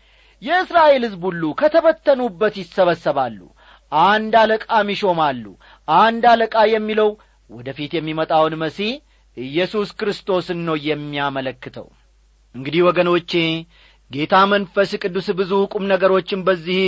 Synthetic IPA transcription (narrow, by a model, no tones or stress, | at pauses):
jɛɨsɾaʔe̞lhɨzbulːukʰət̪ʰəβət̪ʰːənubːət̪jɪsəβəsːəβalːṵ | ʔand̪aləkʼamiʃo̞malːṵ | ʔand̪aləkʼajɛmːiləw | wɔd̪əfit̪jɛmːimət̪ʼawnməsi | ʔɨjːɛsuskɾɨst̪ʰo̞sɨnːəwjɛmːiamələkːɨt̪ʰə̰w | ʔɨŋɡɨd̪ihwɔɡəno̞t͡ʃːe̞ | ɡe̞t̪ʰamənfəskʼɨd̪ːusbɨzukʼumnəɡəɾo̞t͡ʃːɪnbəzːih